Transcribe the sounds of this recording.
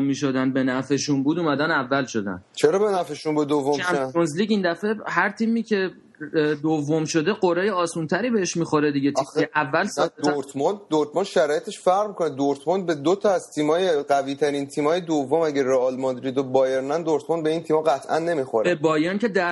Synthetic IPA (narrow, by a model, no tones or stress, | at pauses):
mmːiːʃo̞d̪ænd̪̚be̞næfeʃunbuːd̪uːmæd̪ænævːælʃo̞d̪æ̰nt͡ʃʰeɾɒːbenæfeʃunbud̪d̪ovːomæmonzliːɟiːnd̪æfe̞ɦæɾt̪ʰiːmiːcʰe̞ | d̪ovːomʃo̞d̪e̞ɢoɾejeɒːsunt̪ʰæɾiːbeheʃmiːxo̞ɾe̞d̪iɟet̪ʰieʔævːælsɒɾt̪ʰmɑnd̪oɾt̪̚ʰmɑnʃæɾɒːjet̪ʰeʃfæɾʁmikʰoned̪oɾt̪ʰmɑnd̪̚bed̪ot̪ʰɒæzt̪ʰiːmɒːjeɢæviːt̪ʰæɾint̪ʰiːmɒːjed̪ovːomæɡæreɒlmɒnd̪ɾid̪obɒːjeɾnænd̪oɾt̪ʰmɑnbeiːnt̪ʰiːmɒɣæt̪ʰʔænːe̞mixoɾbebɒːjɒːncʰe̞d̪æ